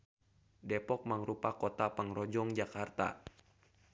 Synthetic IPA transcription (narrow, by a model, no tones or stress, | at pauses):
dɛpɔk̚maŋɾupakot̪apaŋrɔd͡ʒɔŋd͡ʒakart̪a̰